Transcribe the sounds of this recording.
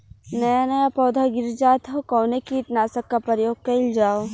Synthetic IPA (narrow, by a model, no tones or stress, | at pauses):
nɐjanɐjapɔːd̪ʱaɡɪɾd͡ʒaːt̪ɦokɔːnekiːt̪naːsəkːapɐɾjoːɡ̚kɐɪld͡ʒaːo